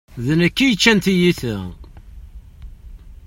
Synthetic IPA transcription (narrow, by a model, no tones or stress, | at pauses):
ðnækːijət͡ʃːænt̪ijiθæ